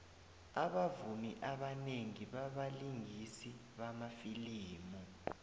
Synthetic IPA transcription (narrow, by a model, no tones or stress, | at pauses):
aɓavumiʔaɓaneŋiɓaɓaliŋisiɓamafiliːmu